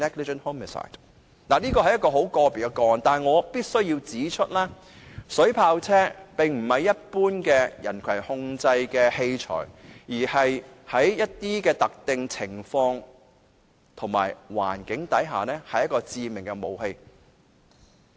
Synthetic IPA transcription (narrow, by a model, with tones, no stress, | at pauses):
nɛ˥ɡlɪ˧d͡ʒə˨nho˥mə˨sa̰ː˨˩jt | naː˨˩niː˥kɔː˧hɐ˨˩jɐ˥t̚kːɔː˧ɦo˨˥wkɔː˧piː˨˩kɛ˧kɔː˧˨nt̪aː˨nŋɔː˨˧piː˥t̚sɵ˥ɥjiː˧wt͡siː˨˥t͡ʃʰɵ˥t̚lɛː˥ | sɵ˨˥ɥpʰaː˧wt͡sʰɛː˥pɪ˨ŋm̩˨˩hɐ˨jːɐ˥t̚puː˥nkɛː˧jɐ̰˨˩nkʰwɐ˨˩jhʊ˧ŋt͡sɐ˧jkɛː˧he˧jt͡ʃʰɔ̰ː˨˩jjiː˨˩hɐ˨jhɐ˨˥jːɐ˥t̚t̪iː˥kɛː˧t̪ɐ˨k̚t̪ɪ˨ŋt͡sʰɪ˨˩ŋfɔː˧ŋ | t̪ʰʊ˨˩ŋma̰ː˨˩jwa̰ː˨˩nkɪ˨˥ŋt̪ɐ˨˥jɦa̰ː˨nɛː˥hɐ˨jɐ˥tkɔː˧t͡siː˧mɪ˨˩ŋkɛ˧mo̰˨˧whe˧j